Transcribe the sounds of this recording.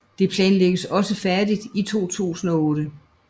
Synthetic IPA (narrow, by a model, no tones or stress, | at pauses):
d̥e̝pʰlɛːnleɡ̥əsɒ̽səfæɐd̥id̥it͡sʰo̝̰ːt͡sʰṵːsn̩ɒ̽ɔ̽ːɾ̥ə